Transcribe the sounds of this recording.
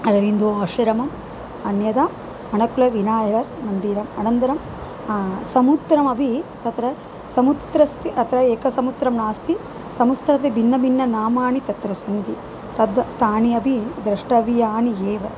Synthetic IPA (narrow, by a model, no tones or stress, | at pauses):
ɐɾɐʋind̪oːaːʃɐɾɐmɐm | ɐnjɐd̪aː | ɐnɐkulɐʋinaːjɐʋɐɾmɐnd̪iːɾɐmɐnɐnd̪ɐɾɐmː | sɐmut̪ɾɐmɐbʱit̪ɐt̪ɾɐ | sɐmut̪ɾɐst̪ʰiʔɐt̪ɾɐeːkɐsɐmut̪ɾɐmnaːst̪i | sɐmust̪ɾɐt̪̬ebʱinːɐbʱinːɐnaːmaːnit̪ɐt̪ɾɐsɐnd̪i | t̪ɐd̪ɐt̪aːniɐbʱid̪ɾɐʂʈɐʋijaːnieːʋɐ